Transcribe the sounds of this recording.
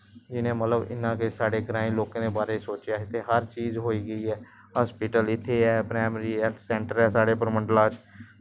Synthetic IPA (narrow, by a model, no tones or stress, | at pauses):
d͡ʒɪnẽːmət̪ləbɪ̰nːãːkesaːɽeːɡɾãːĩloːkãːd̪eːbaːɾeːsoːt͡ʃjaːɪt̪ʰːeːɦəɾt͡ʃiːzɦoːiːɡəiːɛː | ɦɔːspɪʈəlɪt̪ʰːeːɛːpɾaːmɾiːɛsɛ̃ːɳʈəɾɛːsaːɽeːp̬əɾmə̃ɳɖlaːd͡ʒ